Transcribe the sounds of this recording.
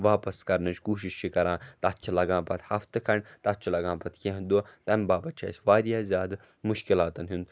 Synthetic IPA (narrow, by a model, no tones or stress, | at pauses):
ʋaːpɐskɐɾnɨt͡ʃʰkuːʃ̬iʃt͡ʃʰikɐɾãːt̪ɐt̪t͡ʃʰilɐɡãːpɐt̪hɐft̪ɨkʰɐɳt̪ɐt̪̚t͡ʃʰilɐɡãːpɐt̪ʰkʲẽɦd̪ut̪ɐmʲbaːbɐt̪t͡ʃʰɐ̰ːsʲʋaːɾjaːzʲjaːd̪ | muʃkilaːt̪ɐnɦund̪